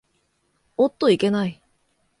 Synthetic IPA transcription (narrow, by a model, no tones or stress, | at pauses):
ot̪ːo̞ike̞nai